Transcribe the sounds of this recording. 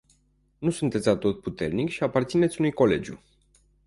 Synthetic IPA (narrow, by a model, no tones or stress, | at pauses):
nusunt̪e̞t̪sʲlat̪o̞t̪̚put̪e̞rnikʃiapart̪sinet̪sʲunujko̞le̞̰d͡ʒʲjṵ